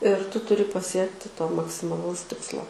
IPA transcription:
ɪr ˈtʊ ˈtʊrʲɪ pɐˈsʲiɛktʲɪ toː mɐksʲɪmɐˈlˠɐʊs ˈtʲɪkslˠoː

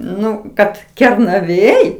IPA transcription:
ˈnʊ ˈkɐt kʲɛrnɐˈʋʲeːj

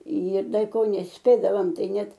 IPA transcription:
ɪr ˈdɐ ɪ ˈkoː nʲɛsʲˈpʲeːdɐʋoːm ˈtɐɪ ˈnʲɛt

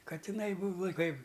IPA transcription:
kɐtʲɪˈnɐɪ ˈbuːʋɐ ˈkɐɪp

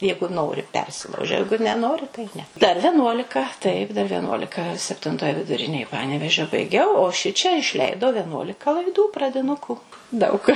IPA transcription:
ˈjɛɪɡʊ ˈnoːrʲɪ ˈpʲɛrʲsʲɪlˠɐʊʒʲɛ ˈjɛɪɡʊ nʲɛˈnoːrʲɪ tɐɪ ˈnʲɛ dɐr ʋʲɛˈnuɔlʲɪkɐ ˈtɐɪp dɐr ʋʲiɛˈnuɔlʲɪkɐ sʲɛpʲtʲɪnˈtoːj ʋʲɪdʊˈrʲɪnʲeːj ˈpɑːnʲɛʋʲeːʒʲoː bɐɪˈɡʲɛʊ oː ˈʃʲɪt͡ʃʲɛ ɪʃʲˈlʲɛɪdɐʊ ʋʲɛˈnuɔlʲɪkɐ lˠɐɪˈduː prɐdʲɪˈnʊkʊ dɐʊk

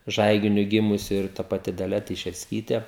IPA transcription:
ˈʒɐɪɡʲɪnʲʊ ˈɡʲɪmʊsʲɪ ɪr tɐ pɐˈtʲɪ dɐˈlʲɛ tʲɛɪʃʲɛrʲsʲˈkʲiːtʲeː

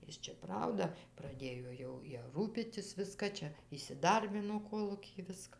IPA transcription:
ˈjɪs t͡ʃʲɛ ˈprɐʊdɐ prɐˈdʲeːjoː jɛʊ ˈjɛ ˈruːpʲiːtʲɪs ˈʋʲɪskɐ ˈt͡ʃʲɛ iːsʲɪˈdɐrʲbʲɪnoː ˈkoːlˠuːkʲɪj ˈʋʲɪskɐ

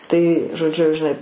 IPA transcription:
tɐɪ ʒoːˈd͡ʒʲʊ ʒʲɪˈnɐɪ

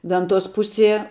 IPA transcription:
ˈʋʲɛntoːs ˈpʊsʲiɛ

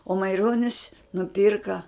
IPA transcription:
oː mɐɪˈroːnʲɪs nʊˈpʲiːrkɐ

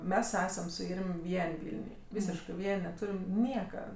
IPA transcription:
ˈmʲɛs ˈæːsɐm sʊ ˈɪrʲmʲ ˈʋʲiɛnʲ ˈʋʲɪlʲnʲʊj ˈʋʲiːsʲɪʃkɜ ˈʋʲiɛnʲ nʲɛˈtuːrʲɪm ˈnʲiɛkɐ

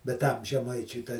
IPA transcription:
bʲɛt ˈtɐm ʒʲɛˈmɐɪt͡ʃʲʊɪ tɐ

